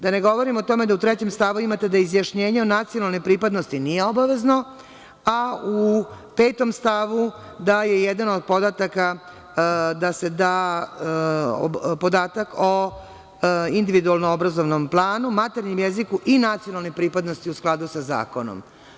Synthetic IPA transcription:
d̪ane̞ɡo̞ʋo̞ɾimot̪o̞me̞d̪aut̪ɾet͡ɕe̞mst̪aʋuimat̪e̞d̪aizjaʃɲe̞ːɲeo̞nat̪sijo̞nalˠnepɾiːpad̪no̞st̪inijeo̞baʋe̞zno | au | pe̞ːt̪o̞mst̪aʋu | d̪aje̞jed̪anod̪̚po̞d̪at̪aka | d̪ase̞d̪aː | po̞d̪aːt̪ako | ind̪iʋid̪ualˠnoobɾazo̞ʋnomplˠaːnumat̪e̞ɾɲimjezikuʔinat̪sijo̞nalˠnepɾiːpad̪no̞st̪iusklˠad̪usaza̰ːkono̰m

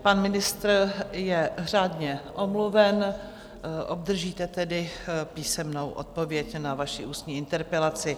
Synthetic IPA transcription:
panmɪnɪst̪rjɛr̝aːdɲɛʔomluvɛn | ʔob̚d̪r̩ʒiːt̪ɛt̪ɛdɪpiːsɛmnowʔo̰t̪̚po̞vjɛcnavaʃɪʔuːst̪ɲiːɪnt̪ɛɾpɛlat͡sɪ

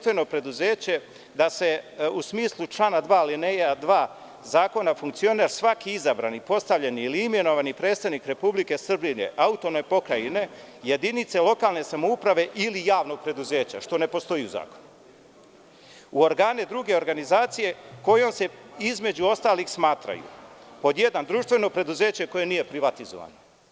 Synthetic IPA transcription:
t̪ʋe̞no̞pɾe̞d̪uzeːt͡ɕe̞ | d̪ase̞usmiːslˠut͡ʃlˠaːnad̪ʋaːlinejad̪ʋaː | zaːko̞nafuŋkt̪sio̞neɾsʋakiizabɾa̰nipo̞st̪aʋʎeniːliimje̞noʋanipɾe̞ːt̪st̪aʋnikɾe̞publike̞sr̩binḛʔaut̪o̞nepo̞kɾaineje̞d̪init̪se̞lˠo̞kaːlne̞samoupɾaʋe̞ʔilijaːʋno̞ɡ̚pɾed̪uze̞ːt͡ɕa̰ʃt̪o̞ne̞po̞st̪o̞jiuza̰ːko̞̥nu | uo̞ɾɡaːned̪ɾuɡe̞o̞ɾɡanizaːt̪sije̞ko̞jo̞mse̞izme̞d͡ʑuo̞st̪aːlixsmaːt̪ɾa̰jṵpo̞d̪je̞d̪and̪ɾuːʃt̪vʋe̞no̞pɾe̞d̪uze̞ːt͡ɕe̞ko̞je̞nije̞pɾiʋat̪izoʋa̰no

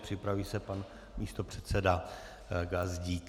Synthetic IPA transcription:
pr̝̥ɪpɾaviːsɛpan | miːst̪o̞pr̝̥ɛt̪sɛda | ɡazɟiːk

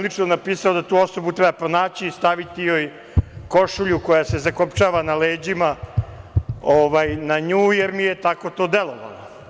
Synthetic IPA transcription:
lit͡ʃnonapiːsaod̪at̪uːo̞sobut̪ɾɛbapɾonaːt͡ɕiːst̪aʋit̪ijoːj | ko̞ʃuʎuko̞jase̞zakopt͡ʃaːʋanaleːd͡ʑima | oʋajnaɲuːjeɾmijet̪ako̞t̪o̞ːd̪elˠo̞ʋa̰lo̰

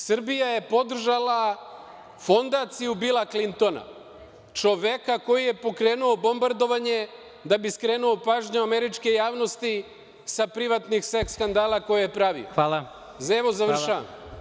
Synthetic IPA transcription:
sr̩bijaje̞po̞d̪r̩ʒala | fo̞nd̪at̪sijubilˠaklint̪o̞na̰ | t͡ʃo̞ʋekako̞jije̞po̞kɾe̞ːnuo̞bo̞mbaɾd̪o̞ʋaɲe̞ | d̪abiskɾeːnuo̞paːʒɲoameɾit͡ʃke̞jaːʋno̞st̪i | sapɾiʋat̪nixsekskand̪aːlˠako̞jijepɾaʋḭoala | zaeʋo̞zaʋrʃaʋa̰m

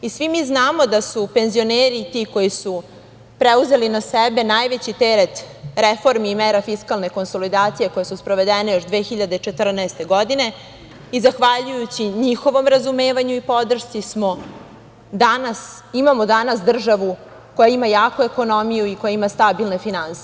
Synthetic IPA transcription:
isʋimiznaːmo̞d̪asupe̞nzio̞neːɾit̪iko̞jisu | pɾeuze̞linasebe̞najʋet͡ɕit̪eɾet̪ɾefo̞ɾmiːmeɾafiskalˠne̞ko̞nso̞lid̪aːt̪sije̞kojesuspɾoʋe̞d̪enejo̞ʃd̪ʋeːxiʎad̪et͡ʂe̞t̪r̩naest̪e̞ɡo̞d̪ine̞ | izaxʋaʎujut͡ɕiɲixo̞ʋo̞mɾazumeːʋaɲuipo̞d̪r̩ʃt̪sismo̞ | d̪anas | imamo̞d̪anas̬d̪r̩ʒaʋu | ko̞jaimajaːkue̞ko̞no̞mijuiko̞jaimast̪abilˠne̞finansi̥

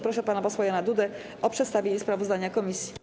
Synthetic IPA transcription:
pɾɔʂɛpanapɔswajanad̪ud̪ɛ | ʔɔpʂɛt̪st̪avʲjeɲɛspɾavɔzd̪aɲakɔmʲisʲji̥

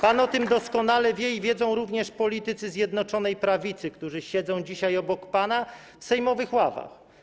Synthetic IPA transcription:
panɔt̪ɘmd̪ɔskɔnalɛvʲjɛivʲjɛdzɔ̃w̃ɾuvɲɛʂpɔlʲit̪ɘt̪sɘzʲjɛd̪nɔt͡ʂɔnɛjpɾavʲit̪sɘkt̪uʐɘɕɛd̪zɔ̃w̃d͡ʑiɕajɔbɔkpana | fsɛjmɔvɘxwava̰x

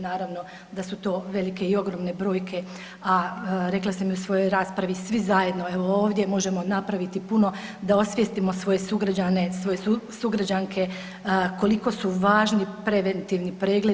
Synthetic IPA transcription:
naːɾaʋno̞ | d̪asut̪o̞ːʋe̞like̞io̞ɡɾo̞mne̞bɾo̞ːjkʰe̞ | aɾe̞klˠasamiusʋo̞jo̞jɾaːspɾaʋisʋizaje̞d̪no̞e̞ʋo̞oːʋd̪jemo̞ʒe̞mo̞napɾaʋit̪ipuno̞d̪ao̞sʋjest̪imo̞sʋo̞je̞suɡɾad͡ʑane̞sʋo̞jesuɡɾad͡ʑaŋkʰe̞ | ko̞liko̞suʋaːʒnipɾe̞ʋent̪iʋnipɾe̞ːɡle

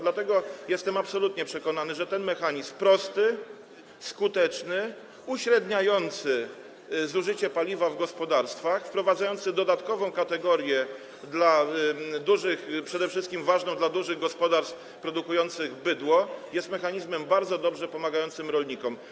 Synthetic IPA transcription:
d̪lat̪ɛɡɔjɛst̪ɛmapsɔlut̪ɲɛpʂɛkɔnanɘʐɛt̪ɛnmɛxaɲizmpɾɔst̪ɘ | skut̪ɛt͡ʂnɘ | uɕɾɛd̪ɲajɔnt̪sɘ | zuʐɘt͡ɕɛpalʲivavɡɔspɔd̪aɾst̪faxfpɾɔvad̪zajɔnt̪sɘd̪ɔd̪at̪kɔvɔ̃w̃kat̪ɛɡɔɾʲjɛ | d̪lad̪uʐɘxpʂɛd̪ɛfʂɘst̪kʲimvaʐnɔ̃w̃d̪lad̪uʐɘɣɡɔspɔd̪aɾst̪f | pɾɔd̪ukujɔnt̪sɘɣbɘd̪wɔjɛst̪mɛxaɲizmɛmbaɾd̪zɔd̪ɔbʐɛpɔmaɡajɔnt̪sɘmɾɔlɲikɔm

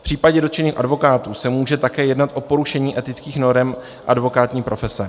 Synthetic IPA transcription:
fpr̥iːpaɟɛdot̪t͡ʃɛniːxʔa̰dvo̞kaːt̪uːsɛmuːʒɛt̪akɛːjɛdnat̪ʔo̞po̞ɾuʃɛɲiːʔɛt̪ɪt͡skiːxno̞ɾɛm | ʔa̰dvo̞kaːt̪ɲiːpɾo̞fɛsɛ

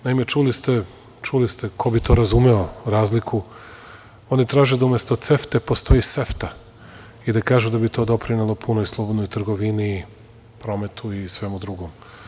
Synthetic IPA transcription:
naimet͡ʃulist̪e̞ | t͡ʃulist̪ekʰo̞bit̪o̞ɾazumeo̞ɾaːzlikʰu | o̞nit̪ɾaːʒed̪aumjest̪ot̪se̞ft̪e̞po̞st̪o̞jise̞ft̪a | id̪akaːʒud̪abit̪o̞ːd̪o̞pɾinelˠopʰunojslˠo̞bod̪nojt̪r̩ɡo̞ʋini | pɾo̞me̞t̪ʰuisʋe̞mud̪ɾuɡo̞m

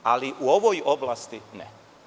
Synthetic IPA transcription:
a̰liʔuo̞ʋojoblaːst̪inɛ̰

